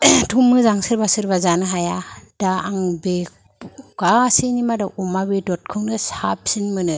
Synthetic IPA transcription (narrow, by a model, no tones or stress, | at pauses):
tʰumːɯzaŋsɯɾbasɯɾbazanɯɦajad̥aːŋbe | ɡasinimadaʔumabedɔt̚kʰɯŋnɯsap̚sinmɯnɯ